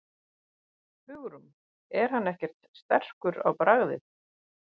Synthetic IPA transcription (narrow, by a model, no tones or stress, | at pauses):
fʏɣɾʏm | ɛɾ̥hanːɛhcɛɾ̥t̪st̪ɛr̥kʏɾa̰wpɾaɣðɪ̰θ